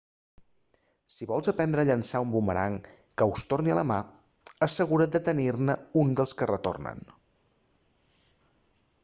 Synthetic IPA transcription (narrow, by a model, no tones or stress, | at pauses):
siβɔlˠzəpɛnd̪ɾəːʎənsaumbuməɾa̰ŋ | kəwst̪orniə̰ləma | əsəɣ̞uɾəd̪ət̪ənirnəund̪əlˠskərət̪o̰rnə̰n